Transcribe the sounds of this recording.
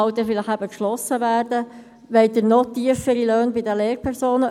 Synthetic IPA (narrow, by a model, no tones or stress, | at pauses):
ɑʊt̪əfɪləχæbəkʃlɔsəʋæːɾdə | ʋɛɪt̪ənɔt̪iəfəɾiløːnbɪdəleːɾpʰɛɾsoːnə